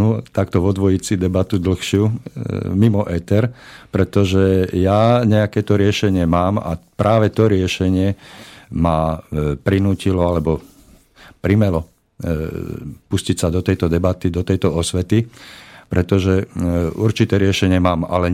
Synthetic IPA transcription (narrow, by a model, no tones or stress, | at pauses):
ut̪akt̪ɔʋɔd̪ʋɔjit͡sid̪ɛbat̪ud̪l̩xʃɪu | mimɔʔɛt̪ɛɾpɾɛt̪ɔʒɛjaɲɛakɛːt̪ɔɾɪɛʃɛɲɪɛmaːma̰pɾʔaːʋɛt̪ɔɾɪɛʃɛɲɪɛ | mapɾinuːcilɔalɛbɔ | pɾimɛlɔ | puscicsad̪ɔt̪ɛjt̪ɔd̪ɛbat̪id̪ɔt̪ɛjt̪ɔɔsʋɛt̪ipɾɛt̪ɔʒɛuɾt͡ʃit̪ɛːɾɪɛʃɛɲɪɛmaːma̰lɛ